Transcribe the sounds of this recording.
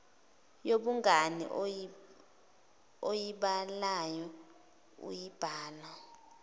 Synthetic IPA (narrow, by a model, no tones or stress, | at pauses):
joɓuŋɡanḭ | ojiɓalajɔ | ṵjib̥ʱaːla